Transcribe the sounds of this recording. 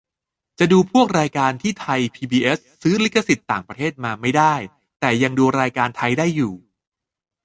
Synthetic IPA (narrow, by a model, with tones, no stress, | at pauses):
t͡ɕa˨˩duː˧pʰu˥˩ək̚ɾaː˧jkaː˧nt̪ʰiː˥˩t̪ʰa˧jpʰiː˧biː˧ʔe˦˥s | sɯː˦˥li˦˥kːa˧si˨˩t̪ːaː˨˩ŋpɾa˧t̪ʰeː˥˩t̪̚maː˧ma˥˩jdaː˥˩j | t̪ɛː˨˩ja˧ŋduː˧ɾaː˧jkaː˧nt̪ʰa˧jdaː˥˩jːuː˨˩